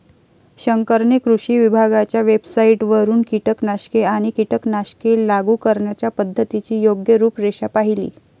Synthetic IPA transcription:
ɕəŋkəɾɳekɾuɕiːʋibʱaɡat͡ɕjaʋebsaiʈʋəɾuːnkiʈəknaɕkeaɽ̃ikiʈəknaɕkelaɡukəɾɳjat͡ɕjapəd̪ʱːət̪it͡ɕiːjoɡjəɾuːpɾeɕapaɦilḭː

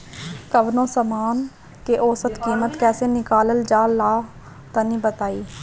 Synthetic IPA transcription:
kəbnõːsəmaːn | keʔoːsət̪kiːmət̪kɛːseːnɪkaːləld͡ʒaːlaː | t̪anĩːbət̪aːiː

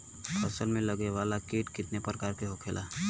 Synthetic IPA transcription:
pʰəsəlmẽləɡeʋalakeːʈkɪt̪nepɾəkaːɾkeɦokʰelʔa

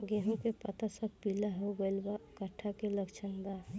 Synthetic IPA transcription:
ɡeɦõkepət̪asəb̚pilaɦoɡəɪlbakəʈʰːakeləkt͡ʃʰənd̪a

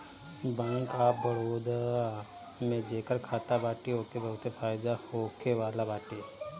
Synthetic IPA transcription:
bə̃ŋkaːbəɾoːd̪a | mẽd͡ʒeːkəɾkʰaːt̪abaːʈiɦoːkebɐɦʊt̪efʰaːɪd̪ahoːkewaːlabaːʈi

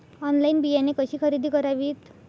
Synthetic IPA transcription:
ɔnlainbijanekʌɕikʰʌɾid̪ʱikʌɾaʋit̪

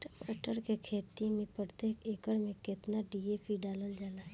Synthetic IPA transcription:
ʈəmaːʈəɾkekʰeːt̪imẽpɾət̪eːkʰeːkəɾmẽkɪt̪naɖieːpʰiɖaːləld͡ʒaːnaɦɛ

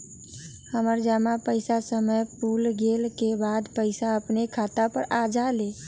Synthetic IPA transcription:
həməɾd͡ʒamapəɪsasəməjpulɡelkebad̪pəɪsaəpnekʰat̪apəɾad͡ʒale

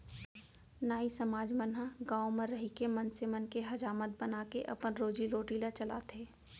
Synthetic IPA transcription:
naːisɐmaːd͡ʒmənɦaɡaːomə̃ɾːɐɦikemɐnsemənkeɦɐd͡ʒaːmət̪̚bɐnakeʔɐ̰pənɾoːd͡ʒiɾoːʈiːlat͡ʃɐla̰ːt̪ʰeː

